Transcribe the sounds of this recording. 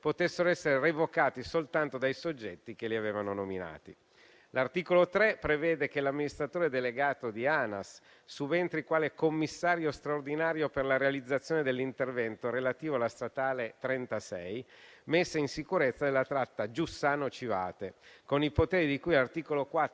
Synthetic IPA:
pot̪esːeɾoɛsːeɾerevokaːt̪isolt̪ant̪od̪ajsod͡ʒːɛt̪ːik̟eliaveːvanonomina̰ːt̪i | lart̪iːkolot̪ɾɛpɾevɛːd̪ek̟elamːinist̪ɾat̪oːɾed̪eleɡaːt̪od̪iaːnasː | uvent̪ɾikwaːlekomːisːaːɾjost̪ɾaord̪inaːɾjoperlaɾealid̪zːat̪sːjoːned̪elːint̪ervɛnt̪oɾelat̪iːvoalast̪at̪aːlet̪ɾɛnt̪asɛ̰jmesːeinsikuɾet̪sːad̪elːat̪ɾat̪ːad͡ʒusːaːnot͡ʃiva̰ːt̪ekonipot̪eːɾid̪ikujlart̪iːkolokwa

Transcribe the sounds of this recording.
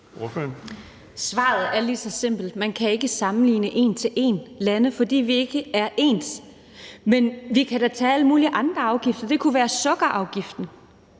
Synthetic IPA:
sʋɑ̰̈ːð̩ˠæɐlisɒ̽se̝m̰b̥l̩d̥mænkʰæe̝ɡ̥əsɑ̈mn̩lḭːnəʔe̝nt͡sʰe̝lʔe̝ːnlænəfɒ̽d̥ḭːʋie̝ɡ̥əæɐʔe̝̰ːns | menʋikʰæd̥æt͡sʰɛ̰ːæləmṵːliʔɑ̈nd̥ʁɐɑ̈ʊɡ̥ifd̥ɐd̥e̝kʰuʋæːɐsɔ̽ɡ̥ɐʔɑ̈ʊɡ̥ifd̥n̩

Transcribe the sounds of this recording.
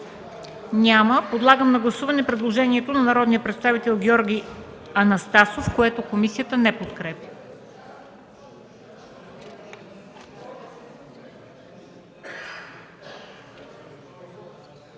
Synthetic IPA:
nʲaməpod̪lˠaɡəmnɐɡlˠɐsuvɐnɛpɾɛd̪lˠoʒɛniɛt̪onɐnɐɾɔd̪nijəpɾɛt̪st̪avit̪ɛlˠɡʲɔɾɡʲiɐnɐst̪asofkoɛt̪okomisijət̪ənɛpot̪kɾɛpʲi

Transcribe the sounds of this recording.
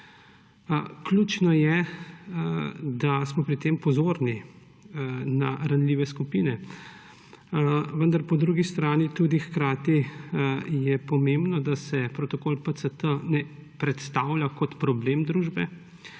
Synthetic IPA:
kluːt͡ʃnɔjɛ | d̪asmɔpɾit̪eːmpɔzoːɾni | naɾanlʲiːʋɛskupiːnɛ | ʋənd̪aɾpɔd̪ɾuːɡist̪ɾaːnit̪uːd̪ixkɾaːt̪i | jɛpɔmembnɔd̪asɛpɾot̪ɔkoːlpəsət̪ənɛ | pɾɛt̪st̪awlʲjakɔt̪pɾɔbleːmd̪ɾuːʒbɛ

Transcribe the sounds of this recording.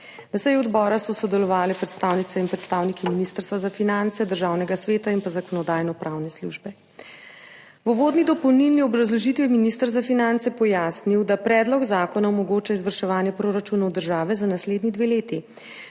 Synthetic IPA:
nasɛjɛɔd̪bɔːɾasɔsɔd̪ɛlɔʋaːlɛpɾɛt̪st̪aːwnit̪sɛinpɾɛt̪st̪aːwnikiminist̪əɾst̪ʋazafinant̪sɛd̪əɾʒaːwnɛɡasʋeːt̪ainpazakɔnɔd̪aːjnɔpɾʔaːwnɛslṵʒbɛ | ʋɔʋoːd̪nid̪ɔpɔwnilniɔbɾazlɔʒit̪ʋiminist̪əɾzafinant̪sɛpɔjaːsniwd̪apɾɛːd̪lɔɡzaːkɔnaɔmɔɡoːt͡ʃaizʋəɾʃɛʋaːnjɛpɾoːɾat͡ʃunawd̪əɾʒaːʋɛzanasleːd̪nid̪ʋeleːt̪i

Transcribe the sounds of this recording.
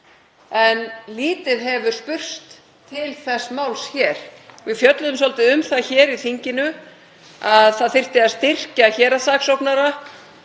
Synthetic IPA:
ɛnliːt̪ɪðɛvʏɾ̥spʏr̥t̪ʰː | ɪlθɛsːmawlsçɛːɾ̥vɪfjœt̪lʏðʏmsɔlt̪ɪʏmθaçɛːɾiθiɲcɪnʏ | aðθaðθɪr̥t̪ɪast̪ɪr̥caçɛːɾasaːksowpnaɾa

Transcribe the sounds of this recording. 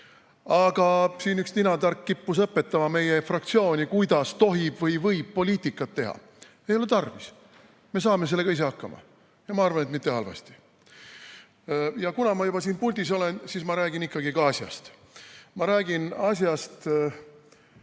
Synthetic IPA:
ɑɡ̥ɑsiːnyksninɑd̪ɑrkːipːus̬ɤpːˑe̞t̪ːɑmɑme̞jefrɑk̚t̪sio̞ːnʲikujd̪ɑst̪o̞ɦib̥vɤjvɤjb̥̚pːo̞lʲiːt̪ˑikːˑɑt̪ːe̞ɦɑ̰ | e̞jo̞le̞t̪ɑrvis | me̞s̬ɑːme̞s̬elːe̞ɡ̥ɑis̬e̞ɑkːɑmɑ̰ | jɑmɑɑrvɑne̞t̪mit̪ːe̞hɑlvɑ̰st̪i̥ | jɑkunɑmɑjub̥ɑsiːnpulʲd̪̥iso̞le̞nsiːsmɑɾæːɡinikːɑɡikɑɑsʲjɑ̰st̪ | mɑɾæːɡ̥inɑsjɑst̪

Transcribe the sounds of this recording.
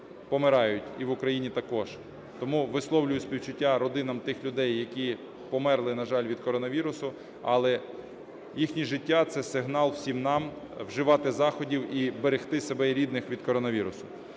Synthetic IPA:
pɔmɪɾɑjʊtʲiʋʊkɾɐjinʲit̪ɐkɔʒ̥ | t̪ɔmuʋɪslˠɔwlʲʊjʊsʲpʲiwt͡ʃʊtʲːaɾɔd̪ɪnɐmt̪ɪxlʲʊd̪ɛjːɐkʲi | pɔmɛrlˠɪnɐʒɑlʲʋʲid̪kɔɾɔnɐʋʲiɾʊsʊ | ɐlˠɛ | jixnʲiʒɪtʲːat̪sɛsɪɦnɑlˠw̥sʲimnɑm | wʒɪʋɑt̪ɪzɑxɔdʲiwibeɾɪxt̪ɪsebɛiɾʲid̪nɪxʋʲid̪̥kɔɾɔnɐʋʲiɾʊsʊ̥

